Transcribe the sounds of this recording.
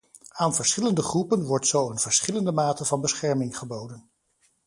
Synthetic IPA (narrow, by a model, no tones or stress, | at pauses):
aːnvəɹsχɪləndəχrupənʋɔɹtsowənv̥əɹsχɪləndəmaːtəvɑnbəsχɛɹmɪŋχəbowdən